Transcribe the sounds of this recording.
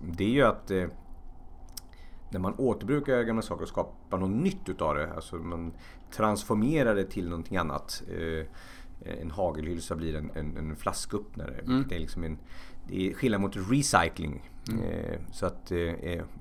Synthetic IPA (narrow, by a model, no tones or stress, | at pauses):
d̪ɛæɾjɵat̪ | næɾmanoːt̪əɾbɾʉ̟ːkaɾɡamlasɑːkəɾɔskɑːpanɔnːʏt̪ʰːʉ̟ːt̪ɑvd̪ɛa̰lsɔman | t̪ʰɾansfɔɾmeːɾaɖ̪ɛt̪ʰɪlnɔnt̪ʰɪŋanːa̰t̪ | ɛ̰nɦɑːɡəlhʏlsabliːɾɛnɛ̰nɛnflaskɵpːna̰ɾə̰d̪ɛæɾlɪksɔmɛnd̪ɛ̰ɧɪlnad̪əmʊt̪ɾɪsajklɪ̰ŋ | sɔat̪